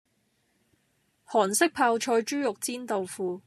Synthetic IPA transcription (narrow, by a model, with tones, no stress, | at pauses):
hɔː˨˩nsɪ˥k̚pʰaː˧wt͡ʃʰɔː˧jt͡ʃyː˥jʊ˨k̚t͡siː˥nt̪o˨wfuː˨˧